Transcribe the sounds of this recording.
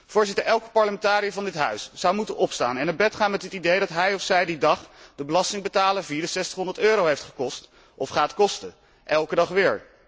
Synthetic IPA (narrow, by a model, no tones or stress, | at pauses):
v̥ʊːɹzɪtəɹɛlˠkə̥pɑɹləmɛntaːɾijəvɑndɪtɦœɥsz̥ɑwmutənɔpsta̰ːnɛnaːbɛtχaːnmɛtɦɪtidejdɑtɦɛjɔfsɛjdidɑχd̥əbəlɑstɪŋbətaːləviːɹdəsɛstə̥χɦɔndəɹtøːɾowɦejftχə̥kɔst | ʔɔfχaːtkɔstə | ʔɛlˠkədɑχʋɪːɹ